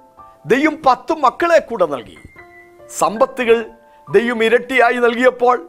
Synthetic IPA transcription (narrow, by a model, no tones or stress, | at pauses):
d̪e̞jʋɐmpɐt̪ːumːɐkːɐɭeːkːuːɽɐnɐ̰lkḭ | sɐmbɐt̪ːiɣɐɭ | d̪e̞jʋɐmiɾɐʈːijaːjinɐlk̬ijɐpːo̞ːɭ